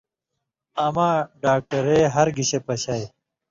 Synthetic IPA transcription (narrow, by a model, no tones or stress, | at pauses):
amaːɖaːk̚ʈɐɾeːɦɐɾɡiɕepɐɕaːj